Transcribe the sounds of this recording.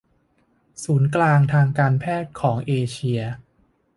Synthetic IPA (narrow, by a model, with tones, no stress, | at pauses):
suː˩˦nklaː˧ŋt̪ʰaː˧ŋkaː˧npʰɛː˥˩t̪̚kʰɔː˩˦ŋʔeː˧t͡ɕʰi˧ɐ